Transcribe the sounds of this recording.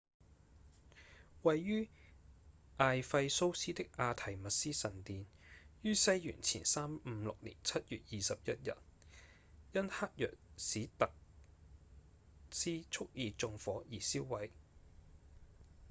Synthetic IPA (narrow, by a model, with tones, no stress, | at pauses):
wɐ˨jːyː˥ | ʔaː˨jfɐ˧jso˥wsiː˥t̪ɪ˥k̚ʔaː˧t̪ʰɐ˨˩jmɐ˨t̚siː˥sɐ˨˩nt̪iː˨n | jyː˥sɐ˥jjy̰ː˨˩nt͡sʰḭː˨˩nsaː˥mm̩ː˨˦lʊ˨k̚lḭː˨˩nt͡sʰɐ˥t̚jy̰ː˨t̚jiː˨sɐ˨p̚jɐ˥t̚jɐ̰˨˩t̚ | jɐ˥nhaː˥k̚jœ̰ː˨k̚siː˨˥t̪ɐ˨k̚ | siː˥t͡sʰʊ˥k̚jiː˨˧t͡sʊ˧ŋfɔː˨˥jiː˨˩si˥wwɐ˨˥j